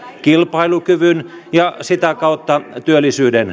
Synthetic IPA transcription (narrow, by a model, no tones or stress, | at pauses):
kilpɑilukyʋyn | jɑsit̪ækɑut̪ːɑt̪yølːˑisyːden